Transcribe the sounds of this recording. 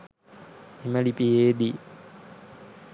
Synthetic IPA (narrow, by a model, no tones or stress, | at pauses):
imalipieːd̪i